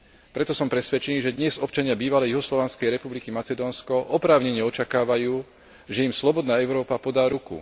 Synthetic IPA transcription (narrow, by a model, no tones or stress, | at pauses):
pɾɛt̪ɔsɔmpɾɛsʋɛt͡ʃɛniːʒɛd̪ɲɛzɔpt͡ʃaɲɪabiːʋalɛjuɦɔslɔʋanskɛjɾɛpublikimat͡sɛd̪ɔːnskɔʔɔpɾaːʊɲɛɲɛɔt͡ʃakaːʋajuː | ʒɛimslɔbɔd̪naːɛʊɾɔːpapɔd̪aːɾukṵ